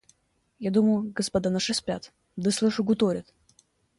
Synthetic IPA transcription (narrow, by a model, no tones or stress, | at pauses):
jad̪uməjʊɡəspɐd̪anaʂɨsʲpʲa̰t̪ | d̪ɨslˠɨʂʊɡʊt̪oɾʲɪt̪